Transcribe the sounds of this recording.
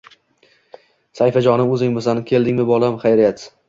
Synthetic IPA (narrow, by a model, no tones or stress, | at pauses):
sajfad͡ʒɒnɪɵzɪŋmɪsankʲʰe̞ld̪ɪŋʲmɪbɒlˠamχajɾjat̪